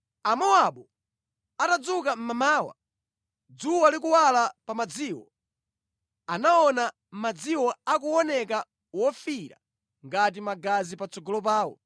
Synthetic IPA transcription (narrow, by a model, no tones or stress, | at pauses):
amɔaɓɔ | atad͡zukam̩mamaːwa̰ | d͡zuwalik̬uwalapamad͡ziːwɔ | anaɔna | m̩mad͡ziwɔakuɔnɛka | wɔfiɾa̰ | ŋɡat̬imaɡazipat͡sɔɡɔlɔp̬aːwɔ̰